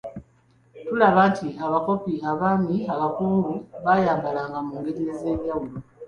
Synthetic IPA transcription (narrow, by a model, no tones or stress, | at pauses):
tulaβatʰiaβako̞piaβamiaβakuːŋɡuβajaːmbalaŋɡamuːŋɡeɟelezeːβjawulu